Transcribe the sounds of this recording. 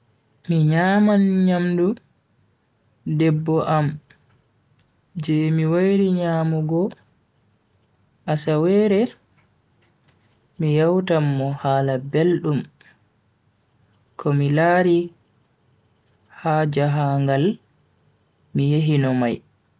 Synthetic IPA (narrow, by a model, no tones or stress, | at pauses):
miɲaːmanɲamdu | dɛbːɔʔam | d͡ʒɛmiwajɾiɲaːmuɡɔ | ʔasawɛɾɛ | mijawtamːɔhaːlabelɗum | kʰɔmilaːɾi | haːd͡ʒaɦaŋɡal | mijeɦinɔmaj